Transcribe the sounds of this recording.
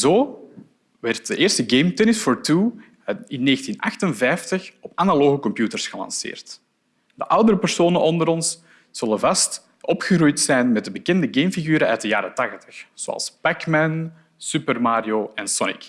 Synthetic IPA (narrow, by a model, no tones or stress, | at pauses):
zoː | ʋɛrt̚dəʔeːrstəɡeːmtɛnɪsfɔɹtu | ɪnːeːɣəntina̰xtənvɛjftəxɔpanaloːɣəkɔmpjuːtərsxəlɑ̰nsɪ̰ːrt | dəʔʌwdəɾəpər̥soːnənʔɔndəɾɔns | z̥ɵləvɑst | ʔɔpxərujtsɛjnmɛt̚dəbəkɛndəɡeːmfiɣyːɾəœːt̚dəja̰ːɾətɑxtə̥xz̥o̰ɑ̰lˠsb̥ɛkmɛn | sypərmaːɾioːɛnsɔnɪ̰k